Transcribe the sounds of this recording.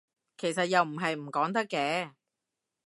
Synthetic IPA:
kʰe˨˩js̬ɐ˨t̚jɐ˨wm̩˨˩ɦɐ˨jm̩˨˩kɔː˨˥ŋt̪̬ɐ˥kːɛː˧˥

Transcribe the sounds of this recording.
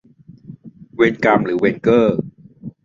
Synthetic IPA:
we˧nka˧mɾɯː˩˦weː˧nkɤː˥˩

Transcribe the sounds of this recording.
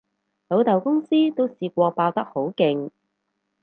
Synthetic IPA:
lo˨˥wt̪ɐ˨wkʊ˥ŋsiː˥t̪o˥wsiː˧k̚ʷɔː˧paː˧wt̪ɐ˥k̚ho˨˥wkɪ˨ŋ

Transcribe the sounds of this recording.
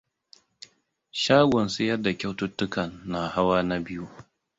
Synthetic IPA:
ʃaː˦ɡʷɔ˨nsɪ˦jɐ˦da˨kʲa˦wtʊ˦tːʊ˦kɐ˨nːa˨ha˦waː˦na˦bɪ˦ju˦

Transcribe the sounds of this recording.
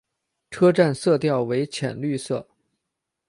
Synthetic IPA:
ʈ͡ʂʰɤ˥ʈ͡ʂa˥˧nsɤ˥˧t̪jɑ˥˩ʊwe˧˥ɪt͡ɕʰjɛ̰˨˩nly˥˧sɤ˥˩

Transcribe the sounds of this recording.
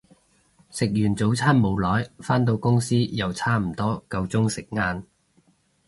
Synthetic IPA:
sɪ˨k̚jyː˨˩nt͡so˨˥wt͡sʰaː˥nmo˨˧wlɔː˨˥jfaː˥nt̪o˧wkʊ˥ŋsiː˥jɐ˨wt͡sʰaː˥m̩˨˩t̪ɔː˥kɐ˧wt͡sʊ˥ŋsɪ˨k̚ŋaː˧n

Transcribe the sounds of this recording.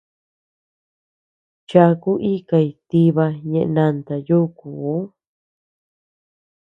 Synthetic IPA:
t͡ʃa˧ku˦ʔi˦ka˧˨i˧t̪i˧βa˧ɲẽ˧ʔe˧nã˧nt̪a˨ju˦kuː˨˦

